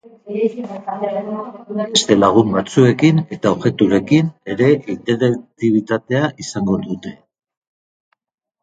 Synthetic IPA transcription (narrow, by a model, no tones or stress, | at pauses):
be̞st̪e̞laɣ̞umbat͡sue̞kine̞t̪aoɣe̞t̪uɾe̞kine̞ɾe̞ʔint̪e̞ɾek̚t̪iβ̞it̪at̪e̞aʔisaŋɡo̞ðut̪e̞